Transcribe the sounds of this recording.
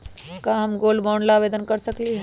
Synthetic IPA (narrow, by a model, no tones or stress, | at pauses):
kaɦɐmɡoːlboːɳlaʋeːd̪ənkɐɾsɐkliɦɛ